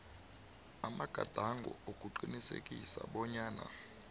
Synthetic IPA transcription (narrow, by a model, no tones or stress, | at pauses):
amaɡ̥ʱad̥ʱaŋɡʱɔ̰okʼuǃinisekʼisaɓɔɲaːna̰